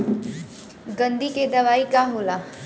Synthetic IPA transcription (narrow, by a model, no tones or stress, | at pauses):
ɡɐ̃nd̪iked̪ɐʋaːikaɦoːlaː